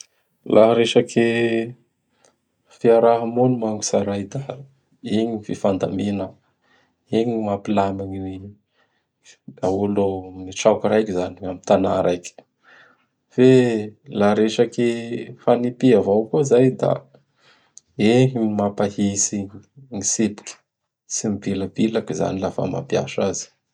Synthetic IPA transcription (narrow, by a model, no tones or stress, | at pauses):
lʔaɦɾeʃakʰe | fiaɾaɦəmonumaŋɡu̥saɾajd̪a | eɲififand̪a̰minə | eɲimapilamiɲiwe | aulomiʈ͡ʂakuɾajkizaniwamit̪ana̰ɾajkʲ | felaɾeʃakefanipiavawkuzajd̪a̰ | eɲimapahisiŋisepi̥kʲə̥ | simibiləbilakiza̰nilafa̰ma̰pja̰ʃaz̥i̥